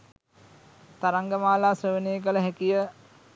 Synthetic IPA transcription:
t̪aɾaŋɡəmaːlaːsrəʋəneːkələɦækijə

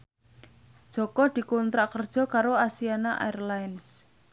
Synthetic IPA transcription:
d̥ʒ̥ɔ̤kɔd̪̥i̤kɔnt̪ɾaʔkərd̥ʒ̥ɔ̤kaɾoasianaʔa̰ɛrlajns

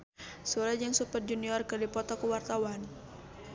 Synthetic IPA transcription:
suɾad͡ʒaŋsupət̪̚d͡ʒuniɔrkərdipɔt̪ɔkuwart̪awan

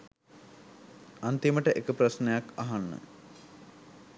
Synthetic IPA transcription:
ant̪iməʈəʔekəprasnejakaɦanːə̰

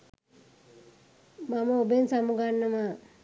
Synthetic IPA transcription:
maməobensamuɡanːəma

